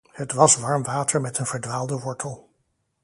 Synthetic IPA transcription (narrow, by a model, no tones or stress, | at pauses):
hətʋɑsʋɑɹmʋaːtəɹmɛtənv̥əɹdʋaːlˠdəʋɔɹtʰəlˠ